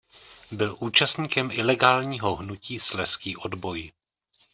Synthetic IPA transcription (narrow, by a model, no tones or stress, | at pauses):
bɪlʔuːt͡ʃast̪ɲiːkɛmʔɪlɛɡaːlɲiːɦoɦnuciːslɛskiːʔodbo̞j